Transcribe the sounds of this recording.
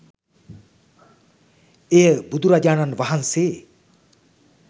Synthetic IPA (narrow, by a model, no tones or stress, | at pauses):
ejəbud̪ʱuɾad͡ʒaːnanʋaɦanseː